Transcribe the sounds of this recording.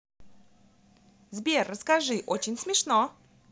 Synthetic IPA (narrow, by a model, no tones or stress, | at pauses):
zbʲerːəskɐʐɨʔot͡ɕɪnʲsmʲɪʂno